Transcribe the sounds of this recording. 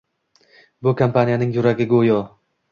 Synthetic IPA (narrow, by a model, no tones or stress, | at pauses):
bʊkʰampʰanijanɪŋjʊɾaɡʲɪɡojɒ